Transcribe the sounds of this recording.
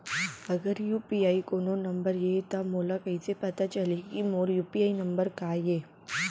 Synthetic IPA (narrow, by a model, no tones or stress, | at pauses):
ɐɡəɾjuːpiaːikoːnonɐmbəɾjeːt̪amoːlakɐisepɐt̪at͡ʃɐlikimoːɾjuːpiaːinɐ̃mbəɾkaːjeː